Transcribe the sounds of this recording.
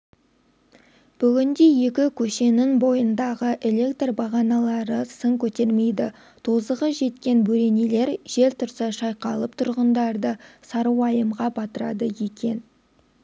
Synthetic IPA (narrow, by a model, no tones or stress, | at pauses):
b̥ʏɡʲɪnd̪e̞je̞kʲɪkʲʰɵʃe̞nɪŋbo̞jənd̪ɑʁəʔe̞lʲe̞kt̪rbɑʁɑnɑlˠɑɾəsəŋkʲʰɵt̪e̞ɾme̞jd̪ɪ | t̪ʰozəʁəʒe̞t̪kʲe̞nbɵɾe̞ne̞le̞ɾʒ̥e̞lt̪ʰʊɾsɑʃɑjqɑlˠəp̚t̪ʰʊɾʁənd̪ɑɾd̪əsɑɾuwɑjəmʁɑbɑt̪əɾɑ̰d̪əjekʲe̞n